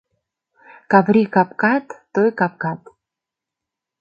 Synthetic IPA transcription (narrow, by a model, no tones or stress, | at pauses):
kavɾʲikapkat̪ːojkap̚kat̪